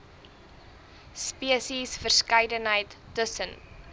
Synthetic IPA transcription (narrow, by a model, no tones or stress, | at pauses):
spiəsisfərskɐjdənɦəjtːəsən